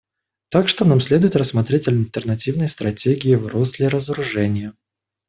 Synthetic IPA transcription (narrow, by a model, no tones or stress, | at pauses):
t̪akʂt̪onamsʲlʲe̞d̪ʊjɪt̪rəsːmɐt̪ɾʲetʲɐlʲt̪ərnɐtʲivnəjst̪ɾɐtʲeɡʲɪɪvɾuslʲɪɾəzəɾʊʐɛnʲɪjə